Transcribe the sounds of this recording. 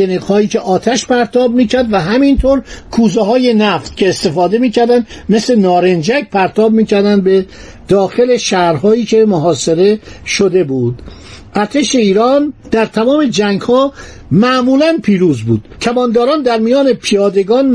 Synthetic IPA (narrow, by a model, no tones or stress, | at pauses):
eniːɣhɒːjiːcʰe̞ʔɒːt̪ʰæʃpʰæɾt̪ʰɒːb̚miːcʰæɾd̪væɦæmint̪ʰoːɾkʰuːzeɦɒːje̞næft̪̚cʰe̞ːst̪e̞fɒːd̪e̞miːcʰæɾd̪ænd̪me̞sle̞nɒːɾend͡ʒæk̚pʰæɾt̪ʰɒːb̚miːcʰæɾd̪ænd̪be̞ | d̪̥ɒːxe̞leʃæhɾɦɒːiːcʰe̞moɦɒːse̞ɾe̞ʃod̪e̞buːd̪̥ | ʔæɾt̪ʰe̞ʃe̞iːɾɒːnd̪̥æɾt̪ʰæmɒːme̞d͡ʒæŋɡhɒː | mæʔmuːlænpʰiːɾuːzbṵːd̪̥k̪ʰæbɒːnd̪ɒːɾɒːnd̪æɾmijɒːne̞pʰijɒːd̪e̞ɡɒːn